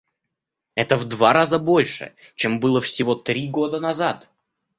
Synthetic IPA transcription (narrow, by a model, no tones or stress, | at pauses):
ɛt̪əvd̪vaɾazəbo̞lʲʂɨ̰t͡ɕembɨlˠəfsʲɪvo̞t̪ɾʲiɡo̞d̪ənɐzat̪